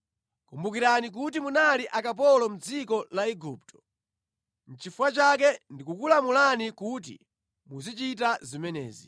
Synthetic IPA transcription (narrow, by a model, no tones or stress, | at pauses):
kumbuk̬iɾanik̬utimunaliʔakap̬ɔlɔm̩d͡zikɔlaɛɡup̚tʰɔ̥ | n̩t͡ʃifuwat͡ʃakɛndikukulamulanikut̬ḭ | muzit͡ʃit̬azimɛnɛ̰ːzi